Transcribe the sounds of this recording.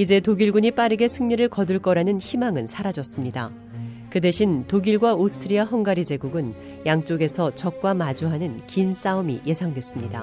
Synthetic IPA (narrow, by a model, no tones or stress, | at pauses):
id͡ʑe̞toɡiɭɡuɲip͈aɾɯɡe̞sʰɯŋɲiɾɯɭkʌduɭk͈ʌɾanɯnçimaŋɯnsʰaɾad͡ʑʌs͈ɯmɲida̰ | kɯde̞ɕʰintoɡiɭɡwaosʰɯ̥tʰɯɾiaɦʌŋɡaɾid͡ʑe̞ɡuɡɯn | jaŋt͡ɕ͈oɡe̞sʰʌt͡ɕʌk̚k͈wamad͡ʑuɦanɯnkins͈aumḭjʔe̞sʰaŋdwe̞s͈ɯmɲida̰